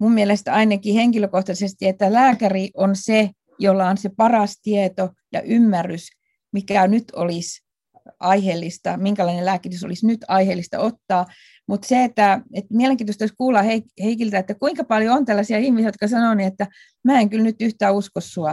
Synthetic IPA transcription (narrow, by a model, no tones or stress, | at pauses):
mummielest̪ɑinɑkiheŋkiløkoht̪ɑsest̪iet̪ːælæːkæriʔonse | jolːɑonsepɑrɑst̪iet̪o | jɑ̰ʔymːærːys | mikænyt̪ʰo̰lis | ɑiheːlːist̪ɑ̰miŋkælɑinelæːkːit̪yso̰lisnyt̪ɑiheːlːˑist̪ɑ̰ot̪ːɑː | mut̪seet̪ːæet̪mieleŋkiːt̪ost̪ɑyskuːlːɑheiheikilt̪æet̪ːækuiŋkɑpɑljoont̪ælːɑsiɑihmisijjot̪̚kɑsɑnoˑniet̪ːæ | mæːeŋkylnyt̪yht̪æːuskosːuɑ